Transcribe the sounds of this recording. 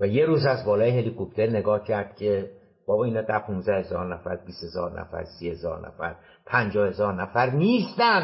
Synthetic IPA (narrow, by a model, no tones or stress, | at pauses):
væjeɾuːzæzbɒːlɒːjeɦe̞likʰop̚t̪ʰe̞ɾne̞ɡɒːhcʰæɾd̪̥cʰe̞ | b̥ɒːbɒːiːnɒːd̪æɾpʰunzæhe̞zɒːɾnæfæɾbiːshe̞zɒ̰ːɾnʔæ̰fæ̰ɾsihe̞zɒ̰ːɾnæ̰fæ̰ɾ | pʰænd͡ʒɒːhe̞zɒːɾnæfæɾniːst̪æn